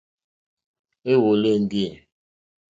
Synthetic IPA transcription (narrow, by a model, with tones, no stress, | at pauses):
e˦wo˨le˦˨ŋ̩˦ɡi˦e˨